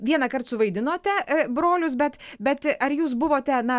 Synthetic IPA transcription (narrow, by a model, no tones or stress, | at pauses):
ʋʲiɛnɐkɐrt̪sʊʋɐɪd̪ʲɪnoːt̪ʲɛbɾoːlʲʊs̬bʲɛt̪bʲɛt̪ʔɐɾjuːs̬bʊʋoːt̪ʲɛnɐ